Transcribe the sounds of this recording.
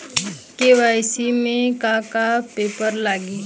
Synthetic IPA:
keʋaːjsimẽkakapeːpəɾlaːɡiː

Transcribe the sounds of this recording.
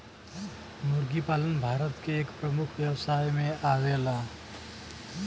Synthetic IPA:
nuɾɡipalənbʱaɾət̪keːkpɾəmukʰʋjəwsaːjmẽʔaʋela

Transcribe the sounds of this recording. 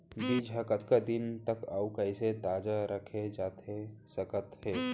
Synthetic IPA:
biːd͡ʒʱəkət̪kad̪ɪnt̪əkawkəɪset̪aːd͡ʒaɾəkʰed͡ʒaːt̪ʰesəkət̪hɛː

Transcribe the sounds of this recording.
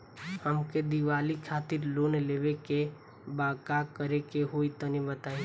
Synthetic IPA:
həmked̪iʋaːlikʰaːt̪ɪɾloːnleːʋeke | baːkakəɾekeɦoːit̪ənibət̪aːi

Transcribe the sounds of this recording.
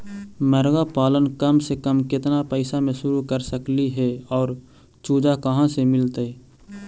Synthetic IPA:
məɾɡapaːlənkəmsekəmkɪt̪napəɪsamẽʃʊɾukəɾsəkliɦɛɔːɾ | t͡ʃuːd͡ʒakəɦãsemɪlt̪e

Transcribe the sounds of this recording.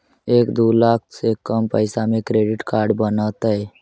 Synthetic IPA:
eːkd̪uːlaːkʰsekəmpəɪsamẽkɾeːɖɪʈkaːɾɖbənət̪ɦə

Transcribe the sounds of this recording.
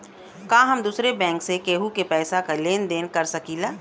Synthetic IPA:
kãːɦɐmd̪uːsɾebɛ̃ːŋksekeːɦukepɛːsakaleːnd̪eːnkɐɾsɐkiːlaː

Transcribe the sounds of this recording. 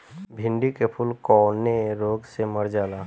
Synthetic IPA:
bʱɪ̃ɳɖikepʰʊlkɔːneɾoːɡsemɐɾd͡ʒaːlaː

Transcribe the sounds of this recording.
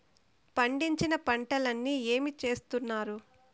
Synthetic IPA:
pɐɳɖiɲt͡ʃinɐpɐɳʈɐlɐnːie̞ːmit͡ʃe̞ːst̪unːaːɾu

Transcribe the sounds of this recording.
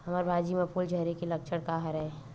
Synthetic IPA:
hɐməɾbʱaːd͡ʒimepuld͡ʒʱəɾekelək̚t͡ʃʰəɽkaɦəɾɛe

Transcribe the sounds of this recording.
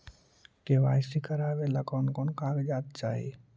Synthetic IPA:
keʋaːjsikəɾaːbeləkɔnkɔnkãɡd͡ʒaːt̪̚t͡ʃa̰ːɦḭ

